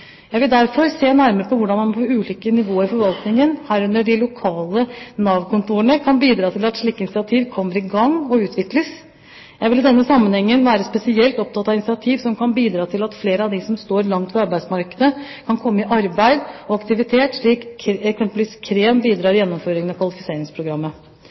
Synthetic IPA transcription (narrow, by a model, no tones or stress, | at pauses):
jæɪʋɪld̪æɾfɔɾseːnæɾməɾəpʰɔʋʊɖɑnmɑnpʰɔʉːliːkənɪʋoːəɾɪfɔɾʋɑlt̪nɪŋənhæːɾʉnːəɖɪlʊkʰɑːlənɑːʋkʊnt̪uːɾəɳəkʰɑnbiːd̪ɾɑːt̪ʰɪlɑt̪ʂɭiːkːəɪnɪsɪɑt̪ʰiːʋkʰɔmːəɾɪɡɑŋːɔʉːt̪ʰʋɪkləs | jæɪʋɪlɪd̪ɛnːəsɑmːənhɛŋːənʋæːɾəspɛsɪɛlt̪ɔp̚t̪ʰɑt̪ːɑʋɪnɪsɪɑt̪ʰiːʋsɔmkʰɑnbiːd̪ɾɑːt̪ʰɪlɑt̪fleːɾəɑʋd̪ɪsɔmst̪oːɾlɑŋt̪fɔɾɑɾbæɪsmɑɾkəd̪əkʰɑnkʰɔmːəɪʔɑɾbæɪd̪ɔɑkt̪ɪʋɪt̪ʰeːt̪ʂɭiːkɛksɛmpəlʋiːskʰɾeːnbiːd̪ɾɑːɾɪjɛnːɔmføːɾɪŋənɑkʰʋɑlɪfɪseːɾɪŋspʰɾʊɡɾɑmːə